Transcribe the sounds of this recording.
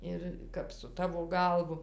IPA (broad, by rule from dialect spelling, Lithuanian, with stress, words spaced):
ˈɪr kɐp sʊ ˈtɑːʋoː ˈɡɐlˠʋʊ